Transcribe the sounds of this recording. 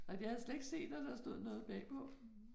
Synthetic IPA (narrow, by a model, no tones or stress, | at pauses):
ɑjɑ̈hæðˠsled̥e̝ɡ̥se̝̰ːd̥æd̥ɑsd̥o̝ð̰ˠnɔ̽ːð̩ˠb̥ɛ̰ːpʰɒ̽